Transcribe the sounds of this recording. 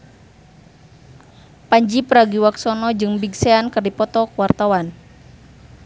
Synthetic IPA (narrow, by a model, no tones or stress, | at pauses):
paɲd͡ʒipəɾaɡiwaksɔnɔd͡ʒɨŋbiɡsɛankɨrdipɔt̪ɔkəwart̪awan